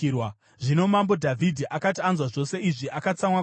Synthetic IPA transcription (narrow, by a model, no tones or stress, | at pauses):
w | ʐino̞mambo̞dʱavʱidʱiʔakatianzwaʐo̞se̞iʐiʔakat͡samwa